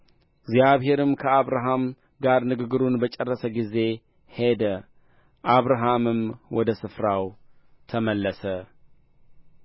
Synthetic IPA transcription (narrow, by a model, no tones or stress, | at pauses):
ɡzjaβɦe̞ɾɨmkʰəaβɾaɦam | ɡaɾnɨɡɨɡɨɾunbət͡ʃʼɛrːəsəɡize̞ | he̞d̪ə | ʔaβɾaɦamɨmwɔd̪əsɨfɾaw | t̪ʰəməlːəsə